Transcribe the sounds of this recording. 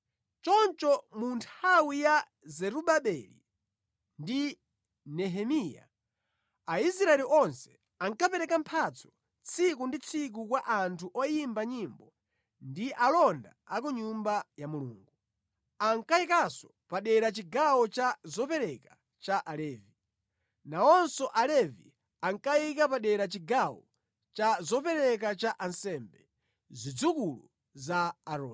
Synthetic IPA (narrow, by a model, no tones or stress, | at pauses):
t͡ʃɔnt͡ʃɔmuntʰawija | zɛɾuɓaɓɛlḭ | ndi | nɛɦɛmija̰ | aisɾaɛliʔɔnsɛ̥ | aŋkapɛɾɛkampʰat͡sʰɔ̥ | t͡sʰikundit͡sʰik̬ukwaʔantʰuʔɔjimbaɲimbɔ | ndiʔalɔndaːkuɲumbajamuluːŋɡu | aŋkaikasɔ̥ | paɗɛɾat͡ʃiɡawɔt͡ʃazɔpɛɾɛka | t͡ʃaʔalɛːvi | naɔnsɔʔalɛvḭ | aŋkaikapaɗɛɾat͡ʃiɡawɔ | t͡ʃazɔpɛɾɛk̬at͡ʃaʔansɛmbɛ | zid͡zukulu | zaːɾɔː